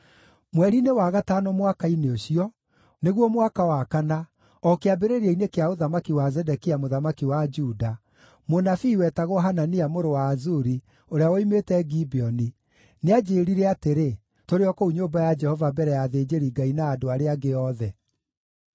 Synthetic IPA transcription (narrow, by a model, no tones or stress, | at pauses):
mwɛɾinewaɣataːnɔmwakaineoɕiɔ | neɣwɔmwakawakana | ɔkeabeɾeɾeinekeaoðamakiwazɛdɛkiamoðamakiwad͡ʒuda | monafiːwɛtaɣɔɦananiamoɾowaːzuɾi | oɾeawɔimetɛɡibiɔni | nead͡ʒeɾiɾɛateɾe | toɾeɔkouɲoːmbajad͡ʒɛhɔvabɛɾɛjaðeːd͡ʒeɾiɡainaːdoaɾeaɡeɔðɛ